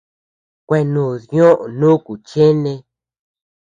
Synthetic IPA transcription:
kʷe˧nũː˨ðɲõ˦ʔnũ˦ku˨t͡ʃe˦nẽ˧

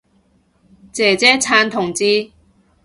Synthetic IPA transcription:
t͡sɛː˨˩t͡sɛː˥t͡sʰaː˧nt̪ʰʊ˨˩ŋt͡siː˧

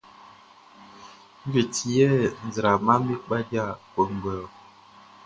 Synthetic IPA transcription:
ŋ̩˦ɡi˨ti˨jɛ˦˨n̩˨zɾa˨ma˦mi˦k͡pa˦dja˦˨pə˨ŋ˨ɡ͡bə˨

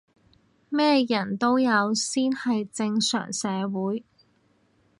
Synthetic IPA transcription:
mɛː˥jɐ˨˩nt̪o˥wjɐ˨˧wsiː˥nhɐ˨jt͡sɪ˧ŋsœ̰ː˨˩ŋsɛː˨˧wuː˨˥j

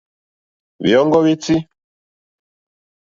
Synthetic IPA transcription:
βḭ˨ɔ˦ŋɡɔ˦βi˦ti˦

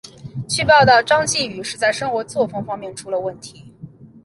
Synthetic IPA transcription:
t͡ɕʰy˥˧pɑ˥˧ʊt̪ɑ˥˩ʊʈ͡ʂɑ˥ŋt͡ɕi˥˩y˨˩ʂɻ̩˥˧t͡sa˥˩ɪʂɤ˥ŋxwɔ˧˥t͡swɔ˥˩fɤ˥ŋfɑ˥ŋmjɛ˥˩nʈ͡ʂʰu˧˥lə˧wə˥˩nt̪ʰi˧˥

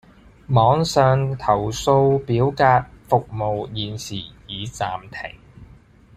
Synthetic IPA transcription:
mɔː˨˥ŋsœː˨˧ŋt̪ʰɐ˨˩wso˧wpiː˨˥wkaː˧t̚fʊ˨k̚mo˨˧wjiː˨nsiː˨˩jiː˨t͡saː˨mt̪ʰɪ̰˨˩ŋ

